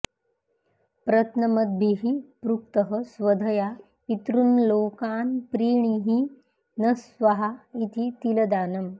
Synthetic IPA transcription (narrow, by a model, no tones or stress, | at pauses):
pɾɐt̪nɐməd̪̚bʱiɦipɾuk̚t̪əɦəsʋɐd̪ʱɐja | it̪ɾunloːkaːnpɾiːɳ̃iɦi | nɐsʋɐɦait̪ʰit̪ilɐd̪aːnɐm